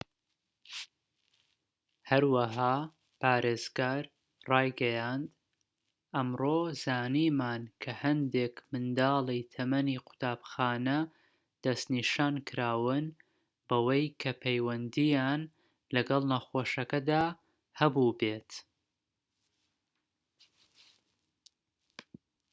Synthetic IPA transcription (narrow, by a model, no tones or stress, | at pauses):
hɐɾwɐɦaː | pʰaːɾeːz̥ɡaːɾ | rɑːjɡɐjaːnd̪ | ʔɐmroːzaːniːmaːnkʰɐhɐnd̪eːkmɨnd̪aːlˠijt̪ʰɐmɐniːqʊ̥t̪aːbxaːnɐ | d̪̥ɐst̪niːʃaːnkʰɨɾaːwɨn | bɐwɐjkʰɐpʰejwɐnd̪ijaːn | lɐɡɑlˠnɐxoːʃɐkɐd̪aː | hɐbubeːt̪